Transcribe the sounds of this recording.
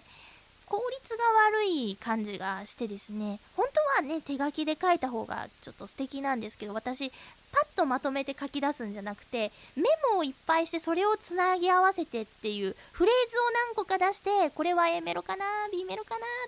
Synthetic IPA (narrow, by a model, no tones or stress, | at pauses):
kʰo̞ːɾʲit͡sɨɡaβaɾɯ̟ikʰãɲ̟d͡ʑiɡaɕi̥t̪e̞d̪e̞sɨne̞hõ̞nt̪o̞βane̞t̪e̞ɡakʲid̪e̞kait̪aɦo̞̰ːɡa̰t͡ɕo̞t̪ːo̞sɨ̥t̪e̞kʲinãnd̪e̞sɨ̥ke̞d̪o̞βat̪aɕipat̪ːo̞mat̪o̞me̞t̪e̞kakʲid̪asɨ̃ɲ̟d͡ʑanakɯ̟̥t̪e̞me̞mo̞ipːaiɕi̥t̪e̞so̞ɾe̞o̞t͡sɨnaɡʲiaβase̞t̪e̞t̪ːe̞jɯ̟ːɸɯ̟ɾe̞ːzɨo̞nãŋko̞kad̪aɕi̥t̪e̞ko̞ɾe̞βajame̞ɾokanabʲime̞ɾokana